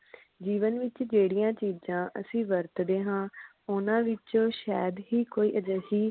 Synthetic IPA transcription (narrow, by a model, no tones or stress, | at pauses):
d͡ʒiːʋənʋɪt͡ʃd͡ʒeːɽɪjãːt͡ʃiːd͡ʒãːʔə̰sĩːʋəɾt̪d̪eːɦãː | ʊnãːʋɪt͡ʃõːʃɛːd̪ɦiːkoːiːʔəd͡ʒəsiː